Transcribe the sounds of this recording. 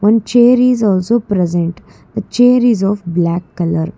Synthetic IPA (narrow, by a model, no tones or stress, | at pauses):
ʋʌ̃nt͡ʃeːəɾizɔːlsoːpɾɛzẽɳʈ | d̪ət͡ʃeːɾizɔːfblækːɐləɾ